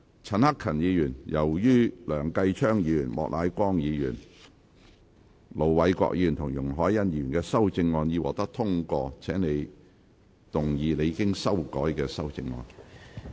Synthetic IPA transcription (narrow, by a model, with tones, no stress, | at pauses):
t͡sʰɐ˨˩nhɐ˥kʰːɐ˨˩njiː˨˧jyː˨˩njɐ˨˩wjyː˥lœː˨˩ŋkɐ˧jt͡ʃʰœː˥ŋjiː˧jyː˨˩nmɔ̰ː˨k̚la̰ː˨˧jkʷɔː˥ŋjiː˨˧jyː˨˩n | lo˨˩wwɐ˨˥jkʷɔ̰˧k̚jiː˨˧yː˨˩nt̪ʰʊ˨˩ŋjʊ˨˩ŋɦɔː˨˥jːɐ˥njiː˨˧jyː˨˩nkɛː˧sɐ˥wt͡sɪ˧ŋːɔː˧njiː˨˧wɔ̰ː˨k̚t̪ɐ˥k̚t̪ʰʊ˥ŋkɔː˧t͡sʰɛː˨˥ŋne˨˧j | t̪ʊ˨˩ŋjiː˨˧ne˨˧ji˧kɪ˥ŋsɐ˥wkɔː˨˥jkɛː˧sɐ˥wt͡sɪ˧ŋːɔ̰ː˧n